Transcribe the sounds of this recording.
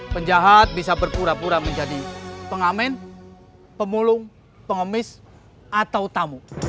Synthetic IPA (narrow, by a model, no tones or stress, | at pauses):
pəɲd͡ʒaɦat̪̚bisabərpuɾapuɾaməɲd͡ʒadipəŋamɛn | pəmulʊŋ | pəŋəmɪs | at̪aut̪amu